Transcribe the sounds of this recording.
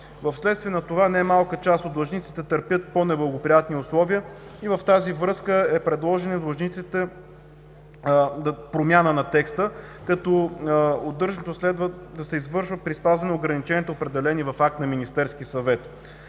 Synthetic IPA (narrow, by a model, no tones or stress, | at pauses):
vɐfslɛt̪st̪viɛnɐt̪ovanɛmalˠkət͡ʃast̪ot̪lˠɐʒnit̪si̥t̪ɛt̪əɾpʲjət̪̚ponɛblˠɐɡopɾijat̪niʊslˠɔviəivɐft̪azivɾɤskəɛpɾɛd̪lˠɔʒɛnid̪lˠɐʒnit̪sit̪ɛ | d̪pɾomʲjanənɐt̪ɛkst̪əkɐt̪ɔod̪ːɤɾʒnət̪oslɛd̪vəd̪ɐsɛizvɤɾʃvət̪̚pɾispazvɐnɛoɡɾɐnit͡ʃɛnʲiɛt̪oopɾɛd̪ɛlɛnivɐfak̚t̪nɐminist̪ɛɾskisɐvɛt̪